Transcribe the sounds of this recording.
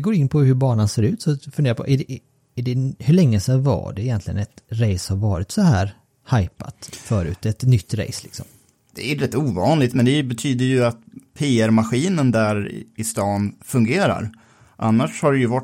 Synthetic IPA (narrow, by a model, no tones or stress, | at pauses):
ɡoːjɪnːpʰɔɦɵɾbɑːɳanseːɾʉ̟ːt̪sɔfɵnd̪eːɾapʰɔ̰ʔæɖɛ | æɖɛhɵɭɛŋːəsɛva̰ɖɛɪjɛnt̪lɪɡə̰nɛt̪ɾɛjshaɾvɑːɾɪt̪sɔɦæːɾ | hajpa̰t̪fœːɾʉ̟ːt̪ɛt̪nʏt̪ːɾɛ̰jslɪksɔ̰m | d̪̥ɛ̰æɾɛt̪ːuːvɑːnlɪt̪mɛnd̪ɛbɛt̪ʰyːd̪əɾjɵat̪̚pʰeːæɾmaɧiːnənd̪æɾɪst̪ɑːnfɵŋɡeːɾa̰ɾ | ʔa̰nːaʂhaɖɛjɵva